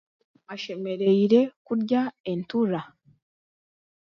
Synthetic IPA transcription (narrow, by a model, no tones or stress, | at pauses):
aʃe̞me̞ɾe̞iɾe̞kuɾɟae̞ntuɾa